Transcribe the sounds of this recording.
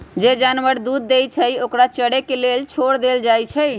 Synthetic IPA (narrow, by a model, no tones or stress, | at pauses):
d͡ʒed͡ʒanʋəɾd̪ud̪ːejt͡ʃʰəjokɾat͡ʃəɽekelelt͡ʃʰoɽd̪eld͡ʒajt͡ʃʰɛj